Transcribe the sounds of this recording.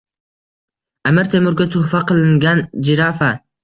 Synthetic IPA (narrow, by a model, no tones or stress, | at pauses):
amɪɾt̪ʰemʊɾɡʲat̪ʰʊfaqʰɨlˠɪŋɡʲand͡ʒɪɾafa